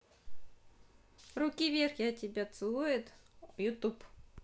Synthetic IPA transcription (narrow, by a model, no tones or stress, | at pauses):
rʊkʲivʲerxʲɪɐtʲːɪbʲat̪sɨlˠujɪt̪jʊt̪up